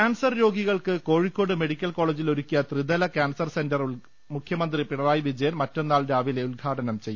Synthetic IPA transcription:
kaːnsɐrjo̞ːɡiɣɐɭkɨko̞ːɻikʲːo̞ːɽɨme̞ɽikʲːɐlko̞ːɭed͡ʑilo̞ɾukʲːijɐt̪rid̪ɐlɐkaːnsɐrse̞ndɐru | mukʰjɐmɐnd̪ripiɳɐraːjiʋid͡ʑɐjɐnmɐtːo̞nːaːɭɾaːʋile̞ulɡʱaːʈɐnɐmt͡ɕe̞jːu

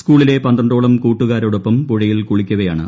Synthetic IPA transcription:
skuːɭile̞pɐnd̪ɐɳɖoːɭɐmkuːʈːuɣaːɾoɽopːɐmpuɻɐjilkuɭikʲːuɣɐjaːɳɨ

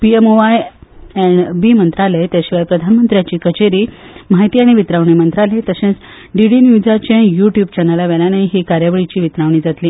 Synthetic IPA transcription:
piemoʋajɛɳbimənt̪ɾalet̪jaɕiʋajpɾəd̪ʱanmənt̪ɾjat͡ɕiːkət͡ɕeɾiːmaɦjt̪iːaɽ̃iʋit̪ɾaʋɳ̃iːmənt̪ɾalet̪əɕẽt͡s | ɖiɽinjud͡zat͡ɕẽjuʈjuːbt͡ɕɛnəlaʋɛlanaiɦiːkaɾjaʋəɭit͡ɕiːʋit̪ɾaʋɳ̃iːd͡zat̪liː

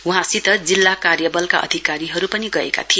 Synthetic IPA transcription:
uɦãsit̪ʌd͡zilːakarjʌbʌlka̰ʔʌ̰d̪ʱikaɾiɦʌɾupʌniɡʌḛka̰t̪ʰie

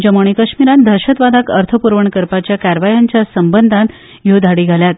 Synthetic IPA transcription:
d͡ʑəmoɳ̃ikəɕmiɾãnd̪ʱəɾɕət̪ʋad̪ʱakəɾt̪ʰəpuɾʋəɳkəɾpat͡ɕjakæɾʋajaɲt͡ɕjasəmbənd̪ʱãn | jod̪ʱaɽiːɡʱaljat̪

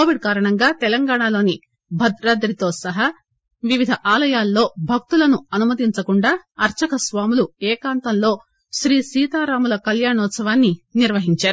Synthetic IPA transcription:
oːʋiɖ̚kaːɾɐɳɐŋɡaːt̪ɛlɐŋɡaːɳaːlo̞ːni | bʱɐd̪ɾɐd̪ɾit̪o̞ːsɐɦɐ | ʋiʋid̪ʱɐʔaːlɐjaːlːo̞ːbʱɐk̚t̪ulɐnuɐnumɐd̪iɲt͡ʃɐkuɳɖaːɐɾt͡ʃɐkɐsʋaːmuluɛːkaːnt̪ɐmlo̞ː | ʃɾiːsiːt̪aːɾaːmulɐkɐljaːɳɔːt̪sɐʋaːnːiniɾʋɐɦiɲt͡ʃaːɾuu

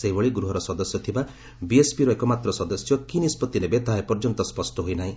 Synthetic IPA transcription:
seɦibɔɭiɡɾuɦɔɾɔsɔd̪ɔsjɔt̪ʰiba | biespiɾɔekɔmat̪ɾɔsɔd̪ɔsjɔkinispɔt̪iɾebet̪aɦepɔɾd͡ʒɔnt̪ɔspɔsʈɔɦojnaɦĩ

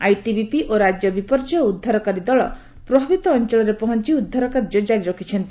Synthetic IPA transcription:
ajʈibipiʔoɾad͡ʒjɔbipɔɾd͡ʒɔud̪ʱːaɾɔkaɾid̪ɔɭɔ̰ | pɾɔbʱabit̪ɔːnt͡ʃɔɭɔɾepɔɦɔnt͡ʃiud̪ʱːaɾɔkaɾd͡ʒɔd͡ʒaɾiɾɔkʰit͡ʃʰɔnt̪i

